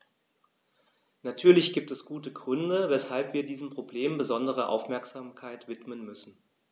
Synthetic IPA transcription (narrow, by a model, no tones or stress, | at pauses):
natʰyːɐlɪçɡ̥iːp̚tɛsɡ̥uːtəɡʁʏndəvɛshalpv̥iːɐdiːzm̩pʁ̥obleːmbəzɔndəʁ̞əʔa̰ʊfmɛɐkz̥aːmkʰaɪtv̥ɪtmənmʏsn̩